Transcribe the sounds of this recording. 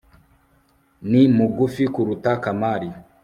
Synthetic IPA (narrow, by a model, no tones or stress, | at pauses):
nimuɡufikuɾutakamaɾi